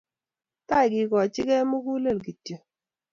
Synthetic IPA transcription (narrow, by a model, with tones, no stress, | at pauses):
ta˦ɪ˨kɪ˨kɔ˨t͡ʃɪ˦kɛ˦mu˦ku˦le˦˨lɡi˨tjə˨